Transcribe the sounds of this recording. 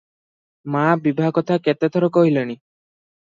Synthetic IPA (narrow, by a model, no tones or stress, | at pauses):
mabibʱaɦɔkɔt̪ʰaket̪et̪ʰɔɾɔkɔɦilɔñi